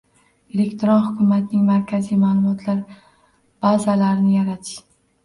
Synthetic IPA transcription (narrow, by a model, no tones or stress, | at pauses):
e̞le̞kʲt̪ʰɪɾɒnhʊkʰʲʊmat̪̚nɪŋmaɾkʲʰazijmalˠʊmɒt̪ʰlaɾ | b̥azalaɾɪnɪjaɾat̪ʰɪ̥ʃ